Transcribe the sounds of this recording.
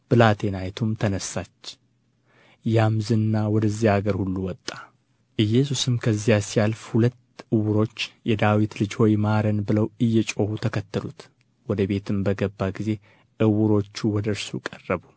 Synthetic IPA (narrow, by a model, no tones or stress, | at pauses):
b̥ɨlat̪ʰe̞najt̪ʰumt̪ʰənəsːat͡ʃː | jamzɨnːawɔd̪əzːihaɡəɾhulːuwɔt̪ʼːa | ʔɨjːɛsusɨmkʰəzːijasijalfhulət̪ːʔɨwʊɾo̞t͡ʃːjɛd̪awit̪lɨd͡ʒho̞jmaɾənbɨləwɨjːɛt͡ʃʼo̞hut̪ʰəkʰət̪ːəlut̪ | wɔd̪əbe̞t̪ʰɨmbəɡəbːaɡize̞ | ʔɨwɨɾo̞t͡ʃːuwɔd̪əɾsukʼərːəbu